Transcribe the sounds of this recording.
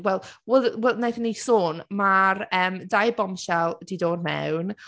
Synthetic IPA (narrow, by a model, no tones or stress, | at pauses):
wɛlˠwɛlwɛnajθənisoːnmarəːmdajbɔmʃalˠdidoːdmɛ̰wn